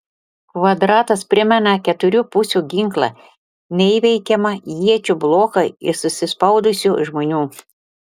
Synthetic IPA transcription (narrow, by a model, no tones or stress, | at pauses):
kʋɐd̪ɾɑːt̪ɐspʲɾʲɪmʲɛnɐkʲɛt̪ʊɾʲuːpʊsʲuːɡʲɪŋklˠɑ̰ | nʲɛiʋʲɛɪkʲɛmɐjiɛt͡ʃʲublˠoːkɐɪ̰ɾsʊsʲɪspɐʊd̪ʊsʲuːʒmoːnʲuː